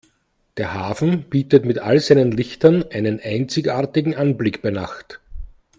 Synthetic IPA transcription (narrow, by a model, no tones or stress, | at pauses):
d̥eːɐhaːfn̩b̥iːtətmɪtalzæɪnənlɪçtɐnʔæɪnənʔæɪnt͡sɪçaːɐtɪɡŋ̩ʔanblɪkb̥æɪna̰xt